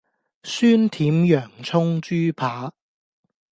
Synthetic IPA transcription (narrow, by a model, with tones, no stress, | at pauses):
syː˥nt̪ʰiː˨˥mjœː˨˩ŋt͡sʰʊ˥ŋt͡ʃyː˥pʰaː˨˥